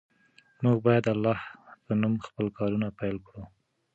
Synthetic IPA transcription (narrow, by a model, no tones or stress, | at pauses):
muɡbɑjad̪alːɑhzənumxpəlkɑɾunapajlkɽu